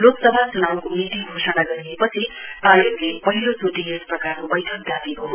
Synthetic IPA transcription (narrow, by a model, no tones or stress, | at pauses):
loksʌbʱat͡sunawkomiʈ̪iɡʱosʌɽaɡʌɾiepʌt͡sʰitajoɡlepʌɦilot͡soʈiesprʌkarkobʌjʈʰʌk̚d̪jabiɦo